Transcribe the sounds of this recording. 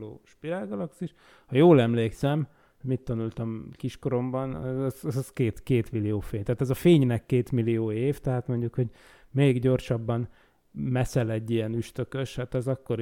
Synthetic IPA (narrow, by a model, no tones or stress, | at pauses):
lo̰ːʃpiɾaːlɡɒlɒksiʃ | hɒjoːlɛmleːksɛm | mit̪ːɒnult̪ɒmkiʃkoɾo̞mbɒnɛɛzɛzɛzkeːt̪keːt̪milijoːfeːɲt̪ɛːt̪ɛzɒfeːɲnɛkːeːt̪milijoːeːft̪ɛɦaːt̪mo̞ɲɟukho̞ɟ | meːɡɟo̞rʃɒbːɒn | mɛsɛlɛɟːijɛnyʃt̪ø̞kø̞ʃhat̪ɛzɒkːo̞ɾ